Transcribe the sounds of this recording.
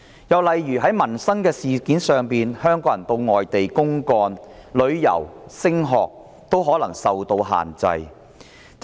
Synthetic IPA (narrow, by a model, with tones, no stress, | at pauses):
jɐ˨wlɐ˨jɥyː˨˩ɦɐ˨˥jmɐ˨˩nsɐ˥ŋkɛː˧siː˨kiː˨˥nsœː˨ŋpiː˨nhœː˥ŋkɔː˨˥jɐ˨˩nt̪o˧wŋɔː˨jt̪e˨jkʊ˥ŋkɔː˧nlɵ˨˧ɥjɐ̰˨˩wsɪ˥ŋɦɔː˨k̚ | t̪o˥wɦɔː˨˥lɐ˨˩ŋsɐ˨wt̪o˧wɦa̰ː˨˩nt͡sɐ̰˧j